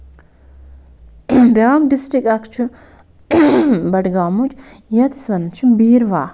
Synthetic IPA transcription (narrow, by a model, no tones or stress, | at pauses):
bɐamɖisʈɾikɐkʰt͡ʃʰu | bɐʈɡaːmud͡ʒ | jɐt̪i̥sʋɐnt͡ʃʰibiːɾʋaː